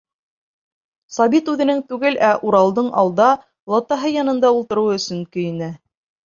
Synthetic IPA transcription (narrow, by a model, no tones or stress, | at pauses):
sɑβit̪ʉðɘ̆nɘŋt̪ʉɡɘlʔæʔuɾɑlˠd̪ɤɴʔɑ̰lˠd̪ɑ | lˠɑt̪ːɑɦɤjɑnɤ̆nd̪ɑulˠt̪ɤ̆ɾɤ̆wɵ̆sɵŋkɵ̆jɘ̆næ